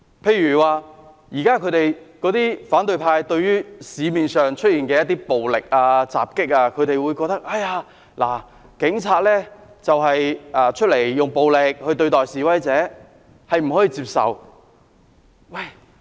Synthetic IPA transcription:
pʰe˧jyː˨˩waː˨ | jiː˨˩kaː˥kʰɵ˧ɥt̪e˨jkɔ˨˥t̪iː˥faː˨˥nt̪ɵ˧ɥpʰaː˧jt̪ɵ˧ɥyː˥siː˨˧miː˨nsœː˨ŋt͡ʃʰt̚jiː˨˩nkɛː˧jɐ˥t̪̬ːiː˥po˨wlɪ˨k̚aː˧t͡sa̰ː˨p̚kɪ˥k̚aː˧kʰɵ˧ɥɾe˨jwuː˨˧jkɔː˧k̚t̪ɐ˥k̚ʔɐ˥jaː˧ | la̰ː˨˩ | kɪ˨˥ŋt͡sʰaː˧t̚lɛː˥t͡sɐ˨wɦɐ˨jʔaː˧t͡ʃʰt̚le˨˩jːʊ˨ŋpo˨wlɪ˨k̚hɵ˧t̪ɵ˧ɥt̪ɔː˨jsiː˨˥wɐ˨˥jt͡sɛː˨˥ | hɐ˨jm̩˨˩ɦɔ˨˥jiː˧t͡siː˧p̚sɐ̰˨w | wɐ˥˩j

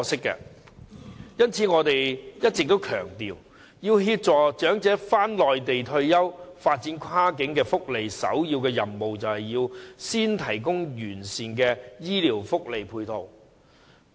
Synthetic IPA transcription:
sɪ˥kːɛ̰ː˧ | jɐ˥nt͡sʰi˨˥ŋɔː˨˧t̪e˨jjɐ˥t̚t͡sɪ˨k̚t̪o˥wkʰœː˨˩ŋt̪iː˨w | jiː˧wɦiː˧p̚t͡sɔː˨˩t͡ʃœː˨˥ŋt͡sɛː˨˥faː˥nlɔː˨jt̪e˨jt̪ʰɵ˧ɥjɐ˥wfaː˧t̚t͡siː˨˥nkʷʰwaː˥k̬ɪ˨˥ŋkɛː˧fʊ˥k̚le˨˩jsɐ̰˨˥wjiː˧wkɛː˧jɐ˨˩nmo˨wt͡sɐ˨whɐ˨jiː˧wsiː˥nt̪ʰɐ˨˩jk̬ʊ˥ŋjyː˨˩nsiː˨nkɛː˧jiː˥liː˨˩wfʊ˥k̚le˨˩jpʰuː˧jt̪ʰo˨˩w

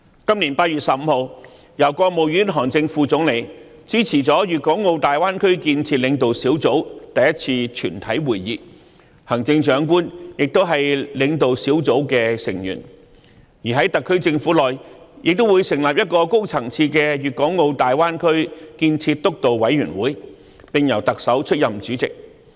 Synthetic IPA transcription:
kɐ˥mliː˨˩npaː˧t̚yː˨t̚sɐ˨p̚m̩˧ho˨w | jɐ˨˩wkɔː˧k̚mo˨wjyː˨˥nɦɔː˨˩ŋt͡sɪ˧ŋfuː˧t͡sʊ˨˥ŋle˨˧jt͡siː˨˥t͡sʰiː˨˩t͡sɔː˨˥jyː˨t̚kɔː˨˥ŋːo˧wt̪aː˨jwaː˥nkʰɵ˥ɥkiː˧nt͡sʰiː˧t̚lɪ˨˧ŋt̪o˨wsiː˨˥wt͡so˨˥wt̪ɐ˨jɐ˥t̚t͡sʰiː˧t͡ʃʰyː˨˩nt̪ʰɐ˨˥jwuː˨˩jːiː˨˧ | hɐ˨˩ŋt͡sɪ˧ŋt͡ʃœː˨˥ŋk̬uː˥njɪ˨k̚t̪o˥wɦɐ˨jlɪ˨˧ŋt̪o˨wsiː˨˥wt͡so˨˥wkɛː˧sɪ̰˨˩ŋjy̰ː˨˩n | jiː˨˩ɦɐ˨˥jt̪ɐ˨kʰːɵ˥ɥt͡sɪ˧ŋfuː˨˥lɔː˨j | jʔɪ˨k̚t̪wuː˨˧jsɪ˨˩ŋlaː˨p̚jɐ˥t̚kɔː˧ko˥wt͡sʰɐ˨˩ŋt͡sʰiː˧kɛː˧jyː˨t̚kɔː˨˥ŋːo˧wt̪aː˨jwaː˥nkʰɵ˥ɥkiː˧nt͡sʰiː˧t̚t̪ʊ˥k̚t̪o˨wwɐ˨˥jɥyː˨˩nwuː˨˥j | pɪ˨ŋjɐ˨˩wt̪ɐ˨k̚sɐ˨˥wt͡ʃʰɵ˥t̚jɐ˨mt͡ʃyː˨˥t͡sɪ̰˨k̚

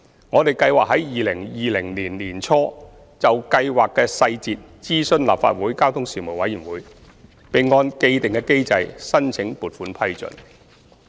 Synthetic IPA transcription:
ŋɔː˨˧t̪e˨˩jkɐ˧jwaː˨k̚ɦɐ˨˥jjiː˨lɪ˨˩ŋjiː˨lɪ˨˩ŋliː˨˩nliː˨˩nt͡sʰɔː˥ | t͡sɐ˨wkɐ˧jwaː˨kːɛː˧sɐ˧jt͡siː˨t̚t͡siː˥sɵ˥nla̰ː˨p̚fa̰ː˧t̚wuː˨˥jkaː˥wt̪ʰʊ˥ŋsiː˨˩mu˨˩jwɐ˨˥jiː˨˩nwuː˨˥j | pe˨jŋɔː˧nke˧jt̪ɪ˨ŋkɛː˧ke˥jt͡sɐ˧jsɐ˥nt͡sʰɪ˨˥ŋpuː˨t̚fuː˨˥npʰɐ˥jt͡sɵ̰˨n

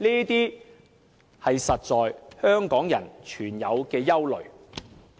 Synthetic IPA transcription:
niː˥t̪iː˥ | hɐ˨jsɐ˨t̚t͡sɔː˨jhœː˥ŋkɔː˨˥ŋjɐ̰˨˩nt͡ʃʰyː˨˩njɐ˨˧wkɛː˧jɐ˥wlɵ˨ɥ

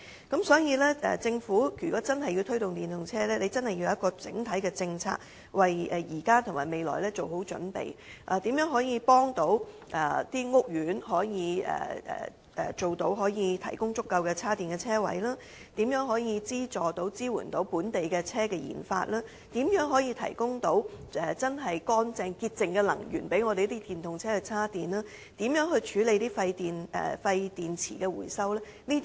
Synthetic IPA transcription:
kɐ˨˥msɔː˨˥jiː˧lɛː˥ɛ̰˨t͡sɪ˧ŋfuː˨˥yː˨˩kɔː˨˥t͡sɐ˥nhɐ˨jːi˧wt̪ʰɵ˥ɥt̪ʊ˨ŋt̪iː˨˩nt̪ʊ˨ŋt͡sʰɛː˥lɛː˥le˨˧jt͡sɐ˥nhɐ˨jːi˧ja˨˦ɐ˥tkːɔː˧t͡sɪ̰˨˥ŋt̪ʰɐ˨˥jkɛː˧t͡sɪ˧ŋt͡sʰa̰ː˧k̚ | wɐ˨jɛ˨˩jiː˨˩kaː˥t̪ʰŋmaː˨˩me˨jlɔ̰ː˨˩jlɛː˥t͡so˨who˨˥wt͡ʃɵ̰˨˥npḛ˨jʔaː˨˧t̪iː˨˥mjœː˨˥ŋɦɔː˨˥jiː˧pɔː˥ŋt̪o˨˥w | ʔɛ˨t̪iː˥ŋʊ˥k̚jyː˨˥nɦɔː˨˥jiː˨˧ɛ̰ː˨ɛ̰ː˨˩ | ɛ˨t͡ʃo˨wt̪o˨˥wɦɔː˨˥jiː˨˧t̪ʰɐ˨˩jkʊ˥ŋt͡sʊ˥kːɐ˧wkɛː˧t͡sʰaː˥t̪iː˨˩nkɛː˧t͡sʰɛː˥wɐ̰˨˥jlaː˥ | t̪iː˨˥mjœː˨˥ŋɦɔː˨˥jiː˨˧t͡siː˥t͡sɔː˨t̪o˨˥wt͡siː˥wṵ˨˩nt̪o˨˥wpuː˨˥nt̪e˨jkɛ˧t͡sʰɛː˥kɛː˧jḭː˨˩nfa̰ː˧t̚laː˥ | t̪iː˨˥mjœː˨˥ŋɦɔː˨˥jiː˧t̪ʰɐ̰˨˩jkʊ˥ŋt̪o˨˥wɛ˨t͡sɐ˥nɦɐ˨jkɔː˥nt͡sɛː˧ŋkiː˧t̚t͡sɪ˨ŋkɛ˧lɐ̰˨˩ŋjy̰ː˨˩npe˨˥jŋɔː˨˧ɾe˨jt̪iː˥t̪iː˨nt̪ʰʊ˨ŋt͡sʰɛː˥kɛ˧t͡sʰaː˥t̪iː˨˩nlaː˥ | t̪iː˨˥mjœː˨˥ŋhɵ˧ɥt͡ʃʰyː˨˥le˨˧jt̪iː˥fɐ˧jt̪iː˨nɛ̰˨fɐ˧jt̪iː˨nt͡sʰḭː˨˩kɛː˧wṵ˨˩jsɐ˥wlɛː˥niː˥t̪

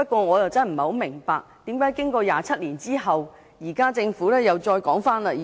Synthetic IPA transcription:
pɐ˥t̚kwɔː˧ŋɔː˨˧jɐ˨wt͡sɐː˥nm̩˨˩ho˨˥wmɪ˨˩ŋpaː˧k̚t̪iː˨˥mkaː˨˥jkɪ˥ŋkɔː˧jaː˨t͡sʰɐ˥t̚liː˨˩nt͡siː˥ɦɐ˨w | jiː˨˩kaː˥t͡sɪ˧ŋfuː˨˥lɛː˥jɐ˨wt͡ʃɔː˧jkɔː˨˥ŋfaː˥nlɐː˧˨

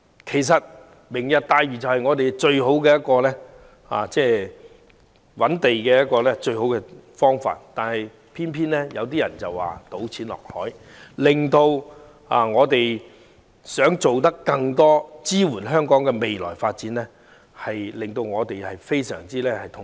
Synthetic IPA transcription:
kʰe˨˩js̬ɐ˨t̚ | mɪ˨˩ŋjɐ˨t̚t̪aː˧jɥy˨t͡sɐ˨whɐ˨jŋɔː˨˧t̪e˨jt͡ʃɵ˧ɥɦo˨˥wkɛː˧jɐ˥t̚kɔː˧lɛː˥ | ha̰ː˨t͡sɛː˥˩ | wɐ˨˥nt̪e˨jkɛː˧jɐ˥t̚kɔː˧lɛː˥t͡ʃɵ˧ɥɦo˨˥wkɛ˧fɔː˥ŋfa̰ː˧˨t̚t̪aː˨nhɐ˨j | pʰiː˥npʰiː˥nlɛ˥jɐ̰˨˧wt̪̬iː˥jɐ̰˨˩nt͡sɐ˨wwa̰ː˨t̪o˨˥wt͡sʰiː˨˥nlɔ̰ː˨k̚hɔː˨˥j | lɪ˨˩ŋt̪o˧w | aː˨ŋɔː˨˧t̪e˨j | sœː˨˥ŋt͡so˨wt̪̬ɐ˥kːɐ˧ŋt̪ɔː˥t͡siː˥wuː˨˩nɦœː˥ŋkɔː˨˥ŋkɛ˧me˨jlɔ̰ː˨˩jfaː˧t̚t͡siː˨˥nlɛː˥ | hɐ˨jlɪ˨ŋt̪o˧wŋɔː˨˧t̪e˨jhɐ˨jfe˥jsœ̰ː˨˩ŋt͡siː˥lɛː˥hɐ˨jt̪ʰʊ˨

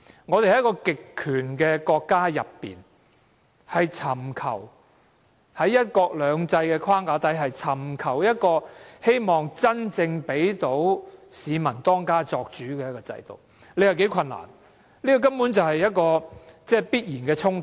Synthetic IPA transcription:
ŋɔː˨˧t̪e˨jhɐ˨jkɔː˧kɪ˨kʰːyː˨˩nkɛː˧kɔː˧kːaː˥jɐ̰˨pːḭː˨˩n | hɐ˨jt͡sʰɐ˨˩mkʰɐ̰˨˩w | hɐ˨˥jːɐ˥t̚kɔː˧k̚lœː˨˧ŋt͡sɐ˧jkɛː˧kʰaː˥ŋkaː˨˥t̪ɐ˨˥jɦɐ˨jt͡sʰɐ˨˩mkʰɐ˨˩wjɐ˥t̚kɔː˧he˥jmɔː˨˩ŋt͡sɐ˥nt͡sɪ˧ŋpe˨˥jt̪o˨˥wsiː˨˧mɐ˨˩nt̪ɔː˥ŋkaː˥t͡sɔː˧k̚t͡ʃyː˨˥kɛː˧jɐ˥tkːɔː˧t͡sɐ̰˧jt̪o̰˨˩w | le˨˧jɐ˨wke˨˥jkʰɐ˧nːa̰ː˨˩n | liː˥kɔ˨˧k̬ɐ˥mpuː˨˥nt͡sɐ˨wɦɐ˨jɐ˥t̚kɔː˧t͡sɛː˥˩piː˥t̚jiː˨˩nkɛː˧t͡sʰʊ˥ŋ

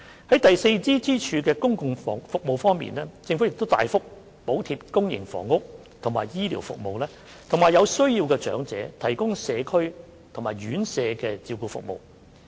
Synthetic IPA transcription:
hɐ˨˥jt̪ɐ˨jse˧jt͡siː˥t͡siː˥t͡ʃʰyː˨˧kɛː˧kʊ˥ŋkʊ˨ŋfɔː˨˩fʊ˨k̚mo˨˧wfɔː˥ŋmḭː˨nlɛː˥t͡sɪ˧ŋfu˨˥jɪ˨k̚t̪o˥wt̪a̰ː˨jfʊ˥k̚ | po˨˥wt̪ʰi˧p̚kʊ˥ŋjɪ̰˨˩ŋfɔ̰ː˨˩ŋːʊ˥k̚ | t̪ʰŋma̰ː˨˩jjiː˥liː˨˩wfʊ̰˨k̚mo̰˨wlɛː˥ | t̪ʰʊ˨˩ŋmaː˨jɐ˨˧wsɵ˥ɥjiː˧wkɛː˧t͡ʃœ̰ː˨˥ŋt͡sɛ̰ː˨˥t̪ʰɐ˨˩jkʊ˥ŋsɛː˨˧kʰɵ˥ɥ | t̪ʰʊ˨˩ŋmaː˨˩jɥyː˨˥nsɛː˨˧kɛː˧t͡siː˧wkuː˧fʊ̰˨k̚mo̰˨˧w

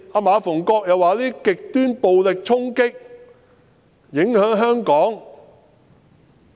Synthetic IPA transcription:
aː˧maː˨˧fʊ˨˩ŋkɔː˧k̚jɐ˨waː˨liː˥kɪ˨k̚t̪yː˥npo˨wlɪ˨k̚t͡sʰʊ˥ŋkɪ˥k̚ | jɪ˨˥ŋhœː˨˥ŋɦœː˥ŋkɔː˨˥ŋ

